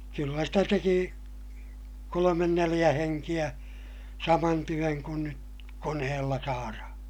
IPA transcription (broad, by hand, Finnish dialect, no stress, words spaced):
kylːæ stæ teki kolomen nelij̆æ heŋkij̆æ sɑmɑn tyøŋ kun nyt konehelːɑ sɑːrɑhɑ̃ː